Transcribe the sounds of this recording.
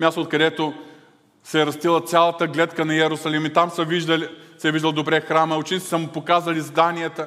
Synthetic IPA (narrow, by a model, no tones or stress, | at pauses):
mʲjast̪oːt̪̚kɐd̪ɛt̪o | sɛɾɐst̪ilˠət̪sʲalˠɐt̪əɡlɛt̪kənɐɛɾʊsɐlimit̪amsəviʒd̪əlisɛviʒd̪ɐlˠd̪obɾɛxɾaməʊt͡ʃɛnit̪i̥səmʊpokazvɐlʲizd̪aniət̪ə